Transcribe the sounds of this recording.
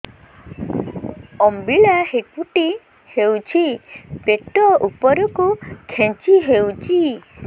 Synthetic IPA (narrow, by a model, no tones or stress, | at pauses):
ɔmbiɭahepuʈi | hewt͡ʃʰipeʈɔupɔɾɔkukʰẽnt͡ʃiɦewt͡ʃʰi